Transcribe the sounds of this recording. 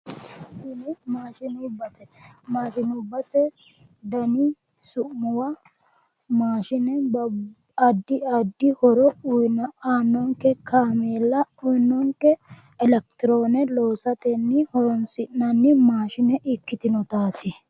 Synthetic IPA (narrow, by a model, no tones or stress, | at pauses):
ʃɪnɪmaːʃɪnʊbːɐt̪ɛmaːʃɪnʊbːɐt̪ɛ | d̪ɐnɪ | sʊʔmʊwɐ | maːʃɪnɛbɐ | ɐd̪ːɪɐd̪ːɪhɔɾɔʊjnaːnːɔŋkːɛkʰaːmeːlːɐɔjnːɔŋkɛː | lɛkt̪ɪɾoːnɛlo̞ːsɐt̪ɛnːɪhɔɾɔnsɪnːɐnːɪmaːʃɪnɛʔɪkːɪt̪ɪnɔt̪aːt̪ɪ